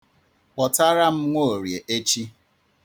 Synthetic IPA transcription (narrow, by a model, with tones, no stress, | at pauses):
k͡pɔ˨ta˦ɾa˦m̩˦ŋʷo˦o˨ɾje˨ʔe˦t͡ʃi˦